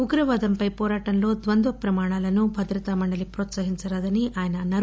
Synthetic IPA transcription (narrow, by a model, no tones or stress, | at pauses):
uɡɾɐʋaːd̪ɐmpɐjpɔːɾaːʈɐnɐlo̞ːd̪ʋɐnd̪ʋɐpɾɐmaːɳaːlɐnubʱɐd̪ɾɐt̪amɐɳɖɐlipɾoːt̪sɐɦiɲt͡ʃɐɾaːd̪ɐniʔaːjɐnɐnɐ